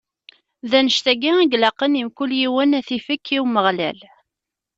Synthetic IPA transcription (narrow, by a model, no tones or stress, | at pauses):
ðænəʃt̪æɡiæɡlɑqːənimkʷuljiwənæθifəkːiwməʁlæ̰l